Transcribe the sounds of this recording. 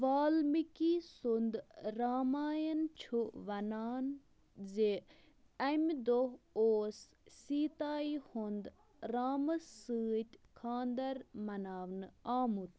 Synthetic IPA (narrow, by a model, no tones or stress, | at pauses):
ʋaːlmikisund̪ɾaːmaːjɐnt͡ʃʰuʋɐnaːn | ze | ɐmʲd̪oɦoːs | siːt̪aːihund̪ | ɾaːmɨsːɨːt̪ʲkʰaːnd̪ɐɾmɐnaːʋnɨaːmut̪